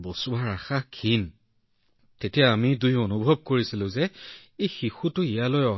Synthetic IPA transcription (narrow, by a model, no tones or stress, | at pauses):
bɔsʊbaɹaxakʰin | tetijaːmidujonubʱɔb̚koɹisilʊ̃zɛejxixutʊijalojɔ